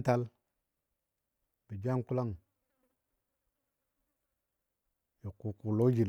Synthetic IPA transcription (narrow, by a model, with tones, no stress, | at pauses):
ta˦l | b̥i˨d͡ʒa˦ŋku˦la˦˨ŋ | jo˨ku˨ku˨lo˦d͡ʒi˨l